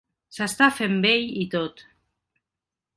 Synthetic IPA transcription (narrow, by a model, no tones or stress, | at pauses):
sast̪afembejit̪ot̪